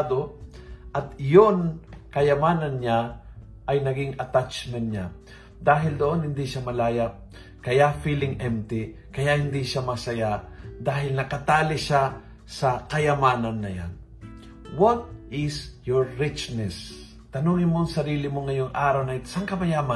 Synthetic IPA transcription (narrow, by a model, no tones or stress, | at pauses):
d̪o | ʔɐt̪jonkɐjɐmaːnɐnɲa | ʔɐjnɐɡɪŋɐt̪at͡ʃmɛnt̪̚ɲa | d̪aːɦɪld̪oʔonhɪnd̪iʃamɐlaːjap̚ | kɐjafilɪŋʔɛmt̪ɪ | kɐjaʔhɪnd̪iʃamɐsɐjad̪aːɦɪlnɐkɐt̪aːlɪʃa | sɐkɐjɐmaːnɐnːɐja̰n | wot̪̚ɪsjoɹːɪt͡ʃnɛs | t̪ɐnuːŋɪnmoŋsɐɾiːlɪmoŋɐjoŋʔaːɾawnɐʔɪsaŋkɐbɐjamɐ